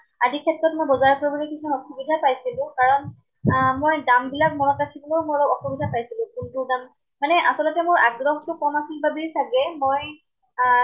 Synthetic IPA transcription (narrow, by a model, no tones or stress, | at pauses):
adikʰɛtɹɔtmɔjbɔzaɹkɔɹibɔlekisʰɔnɔxubidʱapajsilʊ̃kaɹɔn | mojdambilak̚mɔɹɔkatʰibɔlowmɔlɔɔxubidʱapajsilʊ̃kuntʊdam | manɛʔasɔlɔtɛmʊɹaɡɹɔhtʊkɔmasilbabisaɡɛmoj